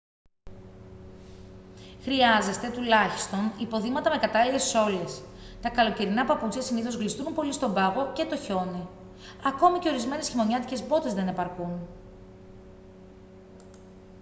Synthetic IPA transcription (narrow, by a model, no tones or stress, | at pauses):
xɾiɐze̞st̪e̞t̪ulɐçi̥st̪o̞nipo̞ðimɐt̪ɐme̞kɐt̪ɐlile̞so̞le̞s | t̪ɐkɐlo̞ceɾinɐpɐput͡sçɐsiniθo̞zɣlist̪unpo̞list̪o̞bɐɣo̞ce̞t̪o̞ço̞ni | ɐko̞mice̞o̞ɾizme̞ne̞sçimo̞ɲɐt̪ice̞zbo̞t̪e̞zðe̞ne̞pɐɾkun